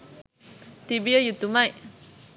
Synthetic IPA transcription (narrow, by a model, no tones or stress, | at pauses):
t̪ibiajut̪umaj